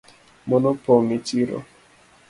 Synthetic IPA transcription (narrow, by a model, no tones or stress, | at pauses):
mɔnɔpɔŋet͡ʃiɾɔ̰